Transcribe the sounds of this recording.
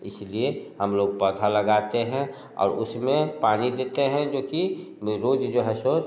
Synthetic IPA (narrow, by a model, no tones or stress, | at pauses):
ɪslieɦɐmloːɡ̚pəd̪ʰʱalɐɡaːt̪eɦɛ̃ | ɔ̰ːɾʊ̰smẽpaːnid̪eːt̪eɦɛ̃d͡ʒoːki | ɾoːd͡ʒd͡ʒoːɦɛso